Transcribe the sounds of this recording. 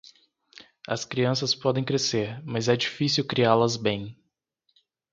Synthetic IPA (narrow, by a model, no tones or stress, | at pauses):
ɐ̰skɾiɐ̃sɐspɔd̪ẽj̃kɾeseɾmɐzɛd͡ʒifisiwkɾialɐzbẽj̃